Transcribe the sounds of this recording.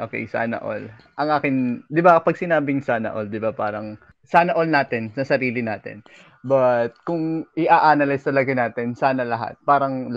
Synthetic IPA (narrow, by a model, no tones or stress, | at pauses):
ʔoːkɛ̰jsɐʔɐnɐ̰ʔo̰l | ʔɐŋʔaːkɪŋd̪ɪbapɐɡ̚sɪnaːbɪŋsanɐ̰ʔold̪ɪbapaːɾɐŋ | sanɐʔolnaːt̪ɛnsɐsɐɾiːlɪnaːt̪ɪ̰n | bɐt̪̚kʊŋʔɪʔaːʔaːnɐlɪst̪ɐlɐɡɐnaːt̪ɛnsaːnɐlɐɦa̰t̪̚paːɾɐŋ